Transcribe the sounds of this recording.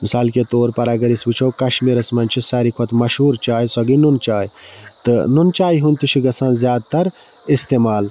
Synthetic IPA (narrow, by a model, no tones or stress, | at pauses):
mɪsaːlket̪oːɾpɐɾɐɡɐɾisput͡ʃʰoːkɐʃmiɾɐsmɐnt͡ʃʰisɐɾikʰot̪mɐʃɦuːɾt͡ʃaːjsɐɡinunt͡ʃaːj | t̪ɨnunt͡ʃaːiɦunʲt̪ut͡ʃʰiɡɐsãːnzʲjaːd̪̚t̪ɐɾ | ist̪eːmaːl